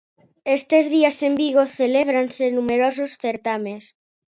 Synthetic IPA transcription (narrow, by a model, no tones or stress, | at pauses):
est̪ezðiasembiɣ̞oθeleβ̞ɾansenumeɾososθeɾt̪amẽs